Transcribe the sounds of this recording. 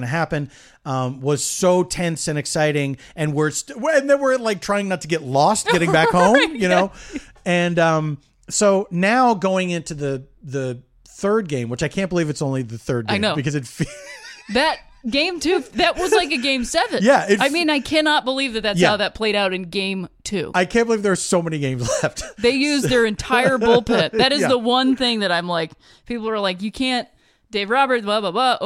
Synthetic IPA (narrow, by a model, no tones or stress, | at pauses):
nɨɦæpɨ̃nd | ʌ̃mwʌz̥soʊtʰɛ̃nsɨ̃nɨksaɪɾɪ̃ŋ | ɨ̃nwɪɹstɨ̃nðɨ̃nwɪɹlaɪk̚tʰɹ̥aɪɪ̃ŋnətʰɨɡɛtˡlɔst̚ɡɡɛɾɪ̃mbækhõʊ̃mjɨnoʊ | ɨ̃nʌ̃m | soʊnaʊɡoʊɪ̃ŋɪ̃ntʰʉðɨ | ðɨ | θɜ˞d̚ɡẽɪ̃mwət͡ʃaɪkʰæ̃nb̥əlivɨtsõʊ̃nliðɨθɜ˞d̚ɡaeɪɪnõʊbɨkʌzɨtfiðɨt̚ | ɡ̥ẽɪ̃mtʰʉðɨt̚wʌzlaɪkɨɡẽɪ̃msɛvɨ̃njæɪtaɪmĩnaɪkʰænɑt̚b̥əlivðɨt̪̚ðɨtaʊðɨt̚pʰl̥eɪɾaʊɾɨ̃nɡẽɪ̃mtʰʉ̰aɪkʰæ̃nb̥əlivðə˞ːsoʊmɛniɡẽɪ̃mzlɛft̚ðeɪjʉzðə˞ɨ̃ntʰaɪə˞bʊlˠpʰɪt̪̚ðɨɾɨzðəwʌ̃nθɪ̃ŋðɨɾãɪ̃mlaɪk | pʰipl̩ˠə˞laɪk̬jɨkʰæ̃nt | d̥eɪvɹɑbə˞t̚bɑbabʌʔ